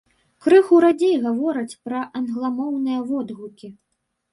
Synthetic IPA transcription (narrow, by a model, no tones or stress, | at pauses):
kɾɨxuɾad͡zʲejɣavɔɾɐt͡sʲpɾɐʔɐnɣlˠamɔwnɨjɐvɔd̪ɣukʲi